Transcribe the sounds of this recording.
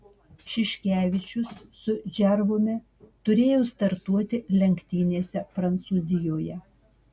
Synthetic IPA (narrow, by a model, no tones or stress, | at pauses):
ʃʲɪʃʲkʲæːʋʲɪt͡ʃʲʊsːʊʒʲɛɾʋoːmʲɪ | t̪ʊɾʲeːjoːst̪ɐɾt̪uɔt̪ʲɪlʲɛŋʲkt̪ʲiːnʲeːsʲɛpɾɐnt̪suːzʲɪjoːjɛ